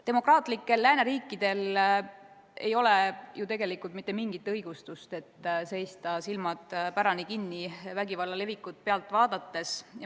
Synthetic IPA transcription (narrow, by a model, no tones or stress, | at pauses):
t̪e̞mo̞krɑːt̪ˑlikːˑe̞lːæːne̞ɾiːkːˑid̪̥e̞l | ʔe̞̰jo̞le̞jut̪e̞ɡ̥e̞likult̪mit̪ːe̞miŋɡ̥it̪ːˑɤjɡ̥ust̪ust̪e̞t̪ːˑse̞jst̪ɑsilmɑd̪pæɾɑnikinːivæɡivɑlːɑle̞vikːˑut̪̚pe̞ɑlt̪ːˑvɑːd̪ɑt̪ːe̞s